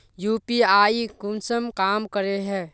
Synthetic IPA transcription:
juːpiaːikʊnsəmkaːmkəɾeɦɛː

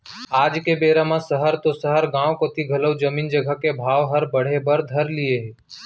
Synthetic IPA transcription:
aːd͡ʒkebeːɾamãsəɦəɾt̪osəɦəɾɡãːʋkot̪iɡʱɐləwd͡ʒəmiːnd͡ʒəɡʱəkebʱaːʋɦəɾbəɽ̤ebəɾd̪ʱəɾlieɦeː

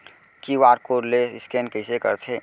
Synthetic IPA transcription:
kiʋaːɾkoɾleɪskenkəɪsekə̰ɾt̪ʰɦe

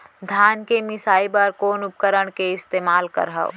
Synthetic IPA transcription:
d̪ʱaːnkemɪsaːibɐɾkoːnʊp̚kəɾəɽ̃keɪst̪eːmaːlkɐ̰ɾɦa̰o

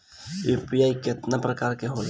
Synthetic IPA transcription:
jupijaikɪt̪napɾəkaːɾkeɦol

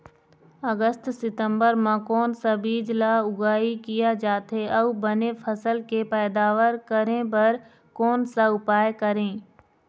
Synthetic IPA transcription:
ɐɡəst̪sɪt̪ə̃mbəɾmãkɔːnsabiːd͡ʒlaʊɡaːikijad͡ʒaːt̪ɦeʔɐubɐnefʰɐsəlkepɛːd̪aːʋəɾkɐɾẽbɐɾ | kɔːnsaʊpaːjkɐɾẽː

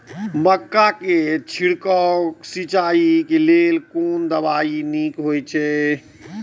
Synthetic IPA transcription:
məkːaket͡ʃʰiɽkɔksit͡ʃaːikeleːlkond̪əbaːinikɦojt͡ʃʰɛ

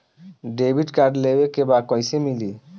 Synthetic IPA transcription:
ɖebʱiɖkaɾɖlebekebakɔjsemili

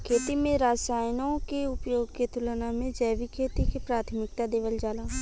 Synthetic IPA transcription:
kʰeːt̪imẽɾaːsaːjnõkeʊpjoːɡket̪ʊlnamẽd͡ʒɛːʋikʰeːt̪ikepɾaːt̪ʰmɪk̚t̪ad̪eːʋəld͡ʒaːlaː

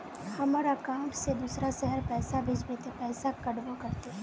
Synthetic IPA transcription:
hɐmaːɾakãːɳʈsed̪uːsɾasɛɦəɾpɛːsabʱɪd͡ʒbet̪epɛːsakɐɽbokɐɾt̪eɦɛ

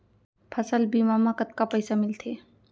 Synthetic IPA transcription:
pʰəsəlbiːmamakət̪̚kapəjsamɪlt̪ʰe

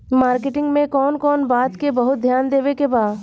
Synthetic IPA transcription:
maːɾkɪʈɪ̃ŋɡmẽkɔːnkɔːnbaːt̪kebɐɦʊt̪̚d̪ʱjaːnd̪eːʋekebaːd̪

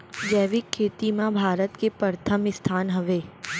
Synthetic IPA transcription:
d͡ʒɛːʋɪkʰːeːt̪imãbʱaːɾət̪kepəɾt̪ʰəmɪst̪ʰaːnɦɐʋeː

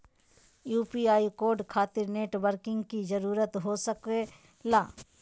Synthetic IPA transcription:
juːpiːaːikoːɾɖkʰaːt̪ɪɾneːʈbəɾkɪ̃ŋɡkizəɾuːɾət̪ɦosəke | laː

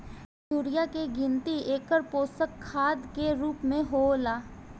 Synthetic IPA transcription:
suːɾijakeɡɪ̃nt̪ieːkəɾpoːsəkʰːaːd̪keɾuːpmẽɦolaː

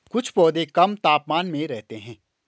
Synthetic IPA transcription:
kʊt͡ʃʰpɔːd̪ekɐmt̪aːpmaːnmẽɾɛɦt̪eɦɛ̃ː

